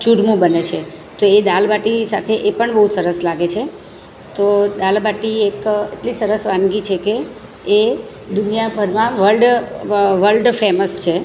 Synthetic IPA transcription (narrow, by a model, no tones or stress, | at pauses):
t͡ʃuɾmũbənet͡ʃʰe | t̪oed̪albaʈisat̪ʰeʔepəɳbəɦũsəɾəslaɡet͡ʃʰe | t̪od̪albaʈiekḛʈlisəɾəsʋãnɡit͡ʃʰekeː | d̪unijabʱəɾmãʋəlɖ | ʋəlɖfeməst͡ʃʰe